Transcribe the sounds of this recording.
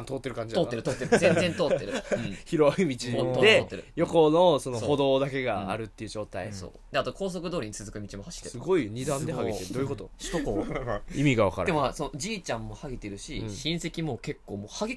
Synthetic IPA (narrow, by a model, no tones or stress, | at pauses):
ant̪oːt̪ːe̞ɾɯ̟kãɲ̟d͡ʑidaoːt̪ːeɾt̪oːt̪ːezẽnd͡zẽ̞nt̪o̞ːt̪e̞ɾɯ̟̃çiɾoimʲit͡ɕiot̪od̪e̞ːt̪ːeɾɯ̟̰jo̞ko̞noso̞nooho̞d̪oːd̪ake̞ɡaa̰ɾɯ̟t̪ːe̞iɯ̟d͡ʑo̞ːt̪aiso̰ːd̪eat̪o̞ko̞ːs̬o̞kɯ̟d̪o̞ːɾiɲ̟it͡sɨzɨkɯ̟mʲit͡ɕimo̞haɕi̥esɨɡo̞iɲ̟id̪ãnd̪ehaɡit̪eɾɯd̪ojɯko̞t̪oɕt̪okoimʲiɡaβakaɾã̰emosonod͡ʑiːt͡ɕãmːo̞haɡʲit̪e̞ɾɯ̟ɕiɕĩɰ̃se̞kʲimo̞ke̞kːo̞ːmoːhaɡʲi